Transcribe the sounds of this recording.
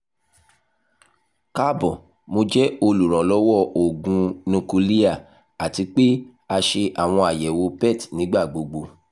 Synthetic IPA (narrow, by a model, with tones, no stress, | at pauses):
ka˦bɔ̃˨ | mo˧d͡ʒɛ˦o˧lu˨ɾ̃ɔ̃˨lɔ˦wɔ˦˨o˨ɡũ˧nũ˧ku˧li˦a˦˨ | a˨ti˧k͡pe˦ | a˧ʃe˧ʔa˨w̃ɔ̃˧a˨jɛ˨wo˧pɛ˦˨tnĩ˨˦ɡ͡ba˦˨ɡ͡bo˧ɡ͡bo˧